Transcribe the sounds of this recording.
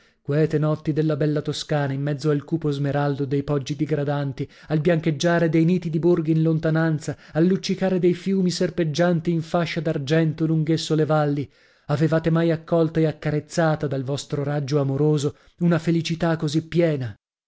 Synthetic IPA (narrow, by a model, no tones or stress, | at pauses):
kwɛt̪enɔt̪ːid̪elːabɛlːat̪oskaːnaimːɛd̪zːoalkuːpozmeɾald̪od̪ejpɔd͡ʒːid̪iɡɾad̪ant̪i | albjaŋked͡ʒːaːɾed̪ejniːt̪id̪iborɡiinlont̪anant̪sa | alːut͡ʃːikaːɾed̪ejfjuːmiserped͡ʒːant̪iːɱfaʃːad̪ard͡ʒɛnt̪oluŋɡesːolevalːi | avevaːt̪emajakːɔlt̪aeakːaɾet̪sːaːt̪ad̪alvɔst̪ɾoɾad͡ʒːoamoɾoːzo | unafelit͡ʃit̪akːozipːjɛːna